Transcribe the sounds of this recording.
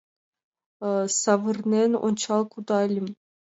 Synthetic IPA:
sɑvɨrnʲenṵnʲt͡ɕɑlˠkud̪ɑlʲim

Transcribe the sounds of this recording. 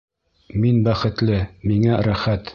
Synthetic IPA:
minbæχɘ̆t̪lɘmiŋæɾæχæt̪

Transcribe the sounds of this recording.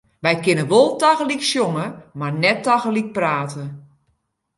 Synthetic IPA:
ʋɛjkɪnəʋolˠtaɣəliksjoŋəmarnɛtːaɣəlik̚praːtʰə

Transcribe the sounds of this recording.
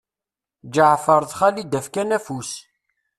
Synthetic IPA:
d͡ʒəʕfəɾˤðˤχælid̪æfkænæfus

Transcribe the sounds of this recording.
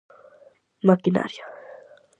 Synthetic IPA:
makina̰ɾija

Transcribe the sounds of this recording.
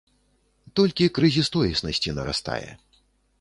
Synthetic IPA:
t̪ɔlʲkʲikɾɨzʲist̪ɔjʲisnɐsʲt͡sʲinɐɾa̰st̪a̰jɛ̰

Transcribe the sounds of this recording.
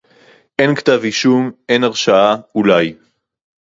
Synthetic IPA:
ʔe̞nkt̪aviʃumʔe̞naʁʃaaulaj

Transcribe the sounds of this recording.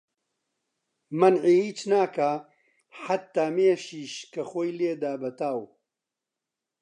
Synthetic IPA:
mɐnʕiːhiːt͡ʃnaːka | ħat̪ːaːmeːʃiːʃkɐxoːjleːd̪aːbɐt̪aːw

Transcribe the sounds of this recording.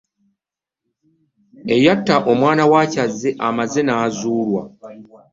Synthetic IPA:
e̞jatːaʔo̞mwaːnawaːcazːeʔamaze̞naːzuːlwa̰

